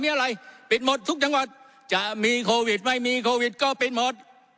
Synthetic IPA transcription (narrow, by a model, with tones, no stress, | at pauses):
mi˧˥ʔa˧la˧jpi˨˩t̚mo˨˩t̚t̪ʰʊ˦˥k̚t͡ɕa˧˦ŋwa˨˩t̪̚ | t͡ɕaː˧˨mi˧kʰo˧vi˨˩t̚ma˧jmi˧kʰo˧vi˨˩t̚kɔ˧pi˨˩t̚mo˨˩t̚